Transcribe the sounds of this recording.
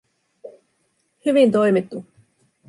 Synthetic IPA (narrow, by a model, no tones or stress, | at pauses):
hyʋint̪o̞jmit̪ːu